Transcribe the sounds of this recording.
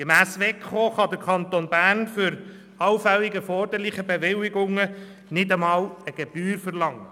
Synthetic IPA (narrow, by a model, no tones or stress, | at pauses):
ɡemæːsʋɛkχoːχɑd̪əɾkʰχɑnt̪onbærnfʏɾ | ɑwfɛlːiɡəfɔɾd̥̪əɾlɪχəbeʋɪliɡʊŋːə | nɪdəmɑːləɡ̥eb̥yːɾfəɾlɑŋːə